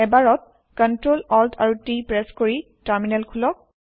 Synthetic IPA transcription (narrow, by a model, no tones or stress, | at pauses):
ɛbaɹɔt̚ | kɔntɹolɔltʰaɹutipɹɛskoɹi | taɹminɛlkʰulɔk̚